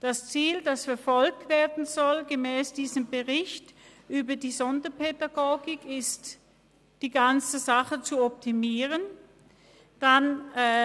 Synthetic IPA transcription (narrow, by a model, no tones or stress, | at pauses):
d̥ast͡siːldasfɛɐfɔlk̚tv̥eːɐdn̩zɔlɡəmɛːsd̥iːzəmbəʁɪçt | ʔyːbɐdiːzɔndɐpʰedaɡoːɡɪkɪst | d̥iːɡant͡səzaχət͡suɔp̚timiːʁən | d̥anː